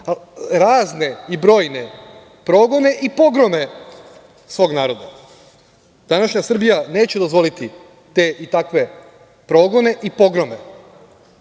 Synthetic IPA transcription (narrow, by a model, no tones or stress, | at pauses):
aɾaːzne̞ibɾo̞ːjne̞ | pɾo̞ɡo̞ne̞ʔipo̞ɡɾo̞me | sʋo̞ːɡnaːɾo̞d̪a | d̪̥anaʃɲasr̩bijane̞ːt͡ɕed̪o̞zʋo̞lit̪i | t̪e̞ʔit̪akʋe̞ | pɾo̞ɡo̞ne̞ʔipo̞ɡɾo̞me̞